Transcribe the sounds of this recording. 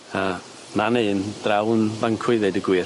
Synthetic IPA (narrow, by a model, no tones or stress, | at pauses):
a | maneːnd̥rawnvaŋkʰwɪðɛdəɡwɪ